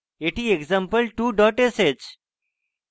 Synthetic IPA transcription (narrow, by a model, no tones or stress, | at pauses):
eʈiekzãmpəlʈuːɖɔʈesed͡ʑ